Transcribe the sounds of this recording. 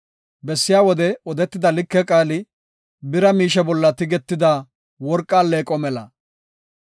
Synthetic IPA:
bɛsːɪjaːwɔd̪ɛɔd̪ɛt̪ːɪd̪ɐlɪkːɛkʼaːlɪ | bɪɾɐmiːʃɛbɔlːɐt̪ɪɡɛt̪ːɪd̪a | wɔɾkʼːaːlːeːkʼːɔmɛlɐ̰

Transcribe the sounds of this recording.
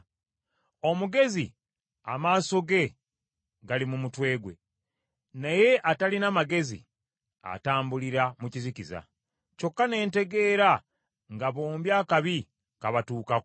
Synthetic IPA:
o̞muɡe̞zi | a̰maːso̞ɡe̞ | ɡalimumutwe̞ːɡwe̞̰ | naje̞ʔatalinamaɡe̞zḭ | a̰taːmbuliɾamuciziciza̰ | co̞kːane̞ːnte̞ɡe̞ːɾa | ŋɡaβoːmbjaːkaβi | kaβatuːkak

